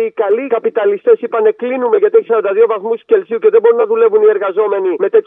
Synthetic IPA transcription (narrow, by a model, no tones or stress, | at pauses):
ikɐlikɐpit̪ɐlist̪e̞sipɐne̞klinume̞ʝɐt̪ieçisɐɾond̪ɐðio̞vɐθmusce̞lsiuce̞ðebo̞ɾunːɐðule̞vunie̞ɾɣɐzo̞me̞nime̞t̪e̞t̪